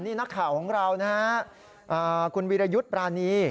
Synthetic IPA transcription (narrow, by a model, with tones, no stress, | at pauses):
niː˥˩na˦˥kʰːaː˩˦wkʰɔː˩˦ŋɾa˧wna˦˥ha˦˥ʔ | ʔaː˨˩kʰu˧nwiː˧ɾa˧ju˦˥t̪̚pɾaː˧niː˧